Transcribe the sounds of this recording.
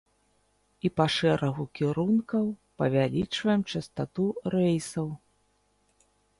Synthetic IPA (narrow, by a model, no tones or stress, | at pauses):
ipaʂɛɾʔɐɣukʲiɾunkɐwpɐvʲalʲit͡ʂvɐjɛmt͡ʂɐst̪at̪uɾɛjsɐw